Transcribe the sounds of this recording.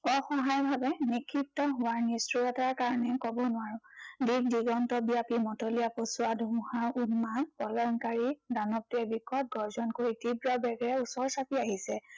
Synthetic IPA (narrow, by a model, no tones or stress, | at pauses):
ɔxɔɦajbʱabɛnikʰːitːɔɦʊwaɹnisɹuɔtaɹkaɹɔnɛkɔbɔnʊaɹʊ̃dik̚diɡɔntɔbijapimɔtɔlijaposʊadʱumuhaɹunmanpɔlɔŋkaɹidanɔp̚tiɛbikɔt̚ɡɔɹzɔnkoɹitibɹɔbɛɡɹɛusɔɹsapiaɦisɛ